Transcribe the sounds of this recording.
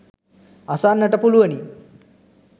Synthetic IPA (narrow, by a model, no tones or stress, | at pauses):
asanːəʈəpuluʋəni